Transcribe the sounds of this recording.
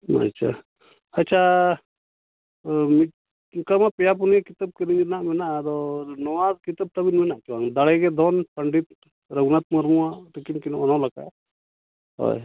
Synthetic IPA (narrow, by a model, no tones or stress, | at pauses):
a̰t͡ʃʰa̰ | ətːt͡ʃʰa | miʈ | kəmapijap̬unjakit̪əb̚kəɾiɲnaʔmɛnaʔɾɔnɔwad̪kit̪əb̚t̪ɐbinmɛnaʔt͡ʃuwaŋd̪aɽeɡɛd̪ʱɔnpəɳɖit̪ | ɾəɡnat̪̚məɾmuaʈ̪ikinkinʔɔnalaka̰ | ɦɔ̰j